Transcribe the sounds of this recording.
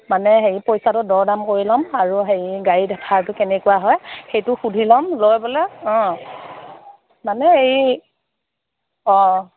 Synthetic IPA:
manɛɦejpojsatʊdɔɹdamkoɹilɔmaɹuɦejɡaɹidkʰaɹtʊkɛnɛkuwaɦɔjxejtʊxudʱilɔmlojbɔlɛɔ̃ | manɛej | ɔ̃

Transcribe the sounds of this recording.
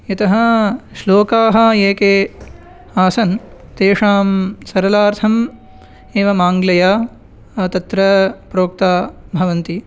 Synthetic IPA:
jɐt̪ɐɦɐ̆ʃloːkaːɦɐ̆eːkeː | aːsɐn | t̪eːʂaːmsɐɾɐlaːɾt̪ʰɐm | eːʋɐmaːŋɡlɐjaː | t̪ɐt̪ɾɐpɾoːk̚t̪aːbʱɐʋɐnt̪i

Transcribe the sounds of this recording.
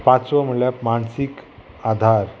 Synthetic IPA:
pãt͡sʋəm̤əɭjapmaɳsik | ad̪ʱaɾ

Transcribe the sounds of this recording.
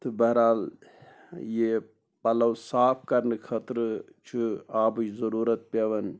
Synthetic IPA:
t̪ɨbɐɾaːl | je | pɐlɐwsaːpʰkɐɾnɨkʰɐt̪ɾɨ | t͡ʃʰɨaːbɨjzɐɾuːɾɐt̪̚pʲeʋɐn

